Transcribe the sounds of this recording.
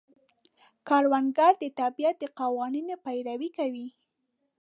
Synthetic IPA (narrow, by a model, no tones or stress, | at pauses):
kɑɾwaŋɡaɾd̪ət̪abijat̪̚d̪əqawɑninepajɾawikawi